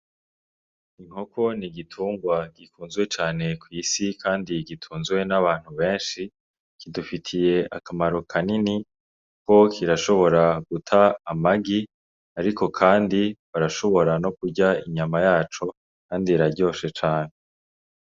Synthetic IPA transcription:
iŋ̥ho̞kʰo̞niɡitʰuːŋɡwaɡ̥ikuːnzɡwe̞t͡ʃaːne̞kwiːsikʰaːndiɡitʰuːnzɡwe̞naβaːn̥huβe̞ːnʃi | kidufitʰije̞ʔa̰kamaɾo̞kʰanini | ko̞kʰiɾaʃo̞βo̞ɾaɡutʰaːmaɡi | aɾikʰo̞kʰaːndiβaɾaʃo̞βo̞ɾano̞kuɾɟaiɲamajaːt͡ʃo̞ | kaːndiɾaɾɟo̞ːʃet͡ʃaːne

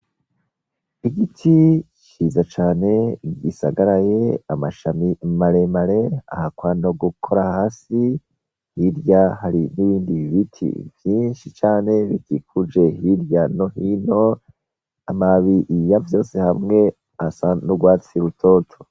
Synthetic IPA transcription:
iɡitʰit͡ʃizat͡ʃaːne̞isaɡaɾaje̞amaʃamimaɾe̞maɾea̰hakwano̞ɡukʰo̞ɾahaːsi | hiɾjahaɾiniβiːndiβiβitʰḭvjiːnʃit͡ʃaːne̞βitikud͡ʒe̞hiɾjano̞hino̞ | amaβiʔjavjo̞ːse̞hamŋe̞ | asanuɡwaːt͡siɾutʰo̞ːtʰo̥

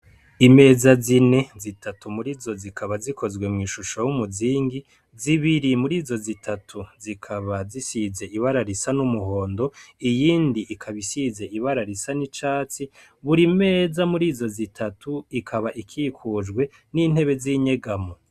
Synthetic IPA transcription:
ime̞ːzazine̞zitʰatumuɾizo̞zikʰaβazikʰo̞zwe̞mŋiːʃuʃowumuziːŋɡi | ziβiɾimuɾiːzo̞zitʰatʰuzikʰaβazisize̞iβaɾaɾisanumuɦo̞ːndo̞ijiːndiʔikʰaβisize̞iβaɾaɾisanit͡ʃaːt͡si | βuɾime̞ːzamuɾiːzo̞zitʰatʰuikʰaβaʔikʰikʰud͡ʒɡwe̞ | niːn̥he̞βe̞ziɲe̞ɡamo

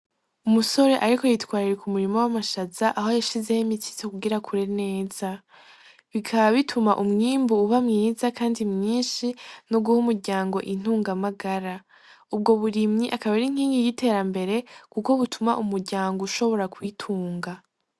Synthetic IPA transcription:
umuso̞ɾe̞ʔaɾiko̞jitwaːɾiɾekumuɾimo̞wamaʃazaʔaɦojaʃize̞jimiti̥tokuɡiɾakʰuɾe̞ne̞ːz̥a | βikʰaβaβitʰumaʔumŋiːmbuːβamŋiːzakaːndimɲiːnʃinoɡuhumuɾɟaːŋɡo̞ʔin̥huːŋɡamaɡaɾa | ub̚ɡo̞βuɾimɲiʔakaβaɾiŋ̥iːŋɡijite̞ːɾambe̞ɾe̞kuko̞βutʰumaʔumuɾɟaːŋɡouʃo̞βo̞ɾakwitʰuːŋɡa

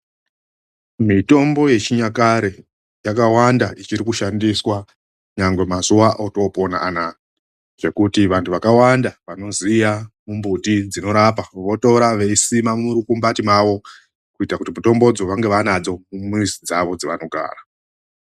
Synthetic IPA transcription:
mito̞mbo̞je̞t͡ʃiɲakaɾe | jakawandait͡ʃiɾikuʃandiswa | ɲaŋɡwe̞mazuʋaʔoto̞po̞na̰ʔana | ʐ̥e̞kutiʋantʰuʋakawandaʋano̞zijamumbutid͡zino̞ɾapaʋo̞to̞ɾaʋe̞isimamuɾukumbatimaʋo̞ | kuitakutimuto̞mbo̞d͡zo̞ʋaŋɡe̞ʋanad͡zo̞mumizid͡zaʋo̞d͡ziʋano̞ɡʱa̰ːra

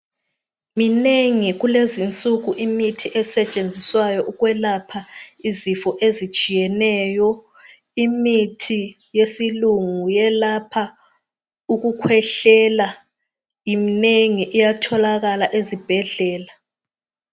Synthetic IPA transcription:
mineŋiɣulezint͡sʼuɣuʔimitʰiʔɛsɛt͡ʃʼend͡zʱiswajɔʔuɣwɛlapʰaizifɔʔezit͡ʃʼijɛnɛːjɔ | imitʰi | jesiluŋujɛlapʰa | uɣukʰwɛɬɛla | jimineŋiʔijatʰɔlaɣalaʔezib̥ʱɛɮɛːla

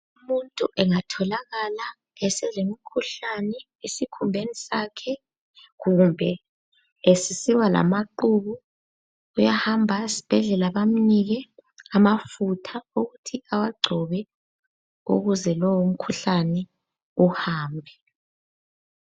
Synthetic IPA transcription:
umuntʼuʔɛŋatʰɔlaɣala | ɛsɛzemikʰuɬanɛ | esikʰumbʱenisakʰɛ | ɣumbʱɛ | esisiwala̰maǃuβuː | jahambʱaisi̥b̥ʱɛɮɛlaβam̩niɣɛamafutʰauɣutʰiawaɡ͡ǀʱɔβɛ | ṵɣuzɛlɔwum̩kʰuɬanɛ | uhaːmbʱɛ

